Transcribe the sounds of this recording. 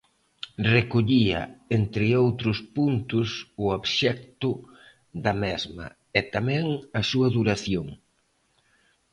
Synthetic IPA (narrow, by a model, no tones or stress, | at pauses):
rekoʎiɐ̰ent̪ɾɪowt̪ɾʊspunt̪ʊsʊoβʃɛk̚t̪ʊ | ðɐmɛzmɐ̰ | ɛt̪amɛ̃ŋɐsuɐðuɾaθjoŋ